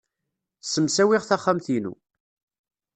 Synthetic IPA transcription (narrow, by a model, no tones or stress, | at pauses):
səmsæwiʁθæχːæmθinṵ